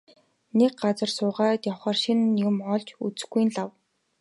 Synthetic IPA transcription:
nek̚ɢat͡sə̆rsʊːʁaːt̪jɔwχaːrʃinːeɣɘ̆mɔɮt͡ɕut͡s̆ɡuj̆nɮaw

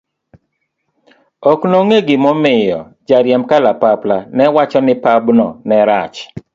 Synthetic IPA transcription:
ɔknoŋeɡɪmɔmɪjɔ̰d͡ʒaɾjɛmkalapaplanɛwat͡ʃɔnɪpabnɔ̰nɛɾat͡ʃ

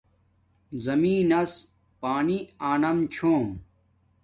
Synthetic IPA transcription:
zɐmiːnɐs | paːniaːnɐmt͡ɕʰoːm

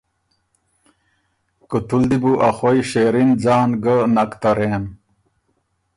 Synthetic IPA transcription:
kut̪uld̪ibuʔɐxojɕeːɾind͡ʑaːnɡənɐkt̪ɐɾeːn

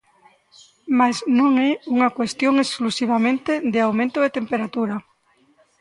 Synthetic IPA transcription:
masnõŋɛuŋakwest̪joŋesklusiβ̞amẽnt̪ed̪ɪawmẽnt̪oðet̪empeɾat̪uɾa

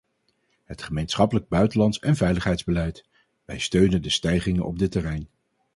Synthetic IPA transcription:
ɦətχəmejnsχɑpələɡ̚bœɥtəlɑntsɛnvɛjləχɦɛjdzbəlɛjt | ʋɛjstøɥnəndəstɛjχɪŋənʔɔ̰b̚dɪtərɛjn

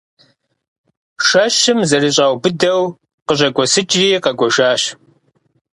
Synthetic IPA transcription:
ʃɐɕɪmzɐriːɕʼaːwbɨdɐw | qəɕʼɐɡʷɔsɨt͡ʃʼriːqɐɡʷɔʒaːɕ

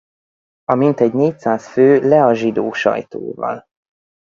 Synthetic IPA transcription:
ɒmint̪ɛɟneːc̚saːsføːlɛɒʒid̪oːʃɒ̰jt̪o̰ːvɒ̰l

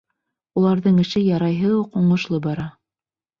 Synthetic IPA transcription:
ulˠɑɾðɤɴɘ̆ʃɘjɑɾɑjɦɤuquɴŏʃlˠɤbɑɾɑ

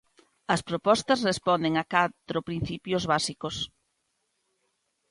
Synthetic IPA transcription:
ɐspɾopɔst̪ɐsrespɔnd̪eŋɐkat̪ɾopɾin̟θipjozβasikos

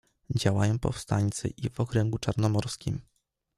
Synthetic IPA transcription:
d͡ʑawajɔ̃w̃pɔ̰fst̪aɲʲt̪sɘ̰ʔivɔkɾɛŋɡut͡ʂaɾnɔmɔɾskʲim

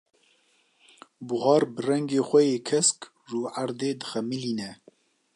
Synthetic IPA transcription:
bʊɣɑːɾbɨrɛŋɡeːxʷɛjeːkʰɛsk | ʒuːʔaɾd̪eːd̪ɨxɛmiliːnɛ

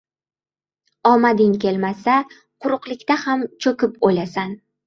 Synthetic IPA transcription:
ɒmad̪ɪŋkʲʰe̞lmasa | qʰʊɾʊqlˠɪkʲt̪ahamt͡ʃʰɵkʲɪpojlasan

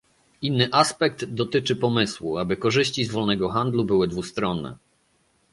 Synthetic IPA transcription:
inːɘʔaspɛk̚d̪d̪ɔt̪ɘt͡ʂɘpɔmɘswṵabɘkɔʐɘɕt͡ɕizvɔlnɛɡɔxand̪lubɘwɘd̪vust̪ɾɔnːɛ̰

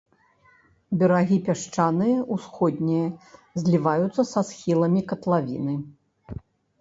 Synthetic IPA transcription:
bʲɛɾaɣʲipʲaʂt͡ʂanɨjɐʔusxɔd̪ʲnʲijɐzʲlʲivajut̪sːɐsasxʲilˠɐmʲikɐt̪lˠavʲḭnɨ

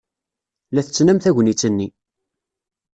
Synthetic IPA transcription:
læθət͡sːnæmθæʝʷnit͡sːənːi

